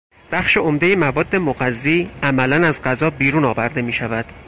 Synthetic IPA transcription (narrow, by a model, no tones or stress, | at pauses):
b̥æxʃe̞omd̪e̞jemævɒːd̪ːe̞moɣæzːiːæmælænæzɢæzɒːbiːɾuːnɒːvæɾd̪e̞miːʃævæd̪̥